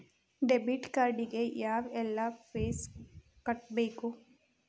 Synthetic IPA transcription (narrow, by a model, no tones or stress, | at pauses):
ɖebiʈkaɾɖiɡejaːʋelːapeːs | kəʈ̚beko